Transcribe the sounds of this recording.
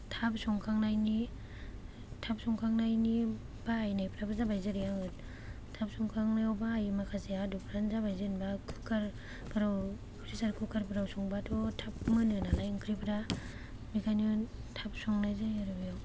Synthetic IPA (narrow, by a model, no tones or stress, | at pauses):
tʰapsɔŋkʰaŋnajni | tʰap̚sɔŋkʰaŋnajni | baːjnajpʰɾabazabajzaɾijaŋɯt | tʰap̚sɔŋkʰaŋnajawbaːjmakʰaseadupʰɾanzabajzɯnbakʰɯ̥kʰaɾ | bʰɯɾaw | pʰɾisaɾkʰɯkaɾbɯɾawsɔŋbatʰɔtʰap̚mɯnɯnalajɯŋkʰɾipʰɾa | mikʰajnntʰap̚sɔŋnajzajaɾɯbijaw